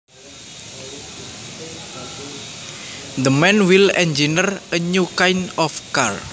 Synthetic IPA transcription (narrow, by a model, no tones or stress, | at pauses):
d̪əmɛnwilɛ̰nd͡ʒinərəɲukajnɔfkar